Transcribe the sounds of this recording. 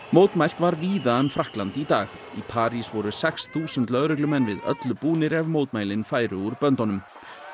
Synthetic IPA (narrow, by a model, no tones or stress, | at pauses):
moːwt̪majl̥t̪vaɾviːðaœmfɾahklant̪it̪aːx | ipʰaːɾisvɔɾʏsɛksθuːsʏnt̪lœðɾɛklʏmɛnːvɪðœ̰t̪lʏpuːnɪɾɛvmowt̪̚majlɪnfaːjɾʏuɾpœnt̪ɔnʏm